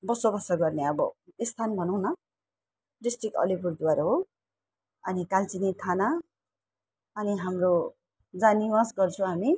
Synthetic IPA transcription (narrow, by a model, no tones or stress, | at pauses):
bʌsobʌsʌɡʌrneʌbʌist̪ʰanbʱʌnʌw̃nʌ | ɖisʈrikʌ̰lipuɾd̪uwaɾaɦo | ʌnikalt͡sinet̪ʰana | ʌniɦamro | d͡zaniwasɡʌrt͡sʰũɦami